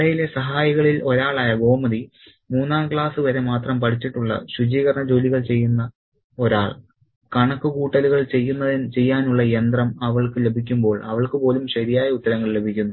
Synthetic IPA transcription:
ɐɐjile̞sɐɦaːjɐɣɐɭilo̞ɾaːɭaːjɐɡo̞ːmɐði | muːnːaːmkɭaːsɨʋɐɾe̞maːt̪rɐmpɐʈʰit͡ɕːiʈːuɭːɐ̰ɕud͡ʑiːɣɐrɳɐd͡ʑo̞ːliɣɐɭt͡ɕe̞jːunːɐ | o̞ɾaːɭ | kɐɳɐkːɨkuːʈːɐluɣɐɭt͡ɕe̞jːunːɐðint͡ɕe̞jːaːnuɭːɐjend̪rɐmɐʋɐɭkɨle̞bʱikʲːumbo̞ːɭɐʋɐɭkɨpo̞ːlumɕɐɾijaːjɐut̪ːɐɾɐŋːɐɭle̞bʱikʲːunːu

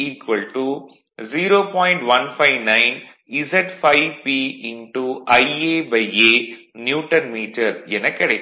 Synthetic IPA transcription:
iːkʋɐlʈu | ziːɾoːpɔːjɳʈʋɐnpʰɐjʋnɐjn | izeʈpʰɐjpiiɳʈuɐjeːbɐjeː | njuːʈɐnmiːʈɐɾɛnɐkɐɽe

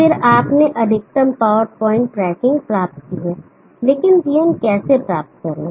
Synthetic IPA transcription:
fɪɾaːpneʔɐd̪ʱɪk̚t̪əmpaːʋəɾpɔːɪ̃ɳʈːɾɛːkɪ̃ŋɡpɾaːp̚t̪̚kiɦɛː | leːkɪnd͡ʒiːənkɛːsepɾaːp̚t̪̚kɐɾẽː

